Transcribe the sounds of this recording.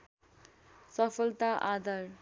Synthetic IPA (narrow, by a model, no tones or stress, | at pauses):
sʌpʰʌlt̪aʔad̪ʌr